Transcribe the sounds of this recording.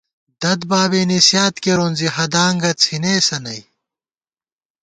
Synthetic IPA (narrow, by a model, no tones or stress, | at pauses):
d̪ɐd̪baːbeːnisjaːt̪keɾonzihɐd̪aːŋɡɐt͡sʰineːsɐnɐj